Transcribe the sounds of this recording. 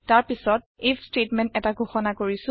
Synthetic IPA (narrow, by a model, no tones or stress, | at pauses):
taɹpisɔt̚estetmɛ̃ntɛtaɡʱoxɔnakoɹisʊ̃